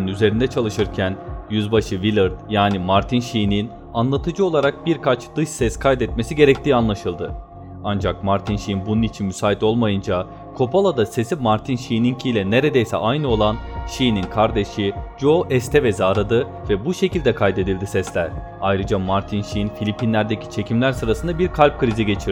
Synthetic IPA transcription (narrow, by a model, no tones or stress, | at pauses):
nyze̞ɾind̪ɛt͡ʃʰalˠɯʃɯɾcʰænjyzbaʃɯvilʲˠɯɾd̪̥jaːnimaɾt̪ʰinʃijinin | anlˠat̪ʰɯd͡ʒɯo̞lˠaɾak̚biɾkʰat͡ʃd̪̥ɯʃsɛskʰajd̪ɛt̪̚me̞siɟe̞ɾɛc̚t̪iːanlˠaʃɯlˠd̪ɯ | and͡ʒak̚maɾt̪ʰinʃijinbununit͡ʃʰinmysaːit̪o̞lˠmajɯnd͡ʒa | kʰo̞pʰalˠad̪ase̞simaɾt̪ʰinʃijniɲcʰiːlʲɛne̞ɾe̞d̪ejsɛ̰ʔajnɯo̞lˠanʃijininkʰaɾd̪e̞ʃid͡ʒo̞ʔɛst̪ʰɛvɛzaːɾad̪ɯ | vɛbuʃe̞cilʲd̪ɛkʰajd̪e̞d̪ilʲd̪isɛslʲæɾ̥ | ajɾɯd͡ʒamaɾt̪ʰinʃijinfilʲipʰinlʲæɾd̪ecʰi̥t͡ʃʰe̞cʰimlʲæɾsɯɾasɯnd̪abiɾkʰalʲp̚kʰɯɾiziɟe̞t͡ʃʰiɾ